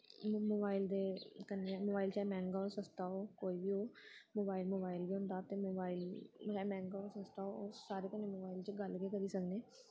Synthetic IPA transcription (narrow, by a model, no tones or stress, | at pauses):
moːbaːild̪eːkənːemoːbaːilt͡ʃamɛ̃ːŋɡaosəst̪aːɦoːkoːiːbiːoːmoːbaːɪlmoːbaːilbiːɦʊ̃ːnd̪aːt̪eːmoːbaːilɛːmɛ̃ːŋɡaːosəst̪aːoːosaːɾeːkəneːmoːbaːilt͡ʃəɡəlɡeːkəɾiːsəkneː